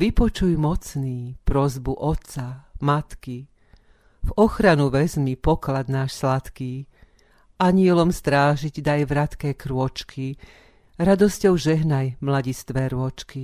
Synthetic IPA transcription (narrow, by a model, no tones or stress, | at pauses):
ʋipɔt͡ʃujmɔt͡sniːpɾɔzbuʔɔt̪t͡samat̪ki | vɔxɾanuʋɛzmipɔklad̪naːʃslat̪kiː | ʔaɲɪɛlɔmst̪ɾaːʒiɟd̪ajʋɾat̪kɛːkɾʊɔt͡ʃkʰi | ɾad̪ɔscɔʊʒɛɦnajmlaɟist̪ʋɛːɾʊɔt͡ʃki